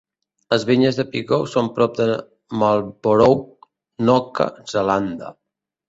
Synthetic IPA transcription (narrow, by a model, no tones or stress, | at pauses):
ləzβiɲəzðəpiɣɔwsompɾɔp̚d̪ə | malˠboɾow | nɔkə̰zəland̪a̰